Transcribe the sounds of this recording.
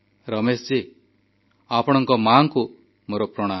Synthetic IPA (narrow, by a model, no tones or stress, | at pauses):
ɾɔmest͡ʃi | apɔɽ̃ɔŋkɔmaŋku | moɾɔpɾɔɽ̃a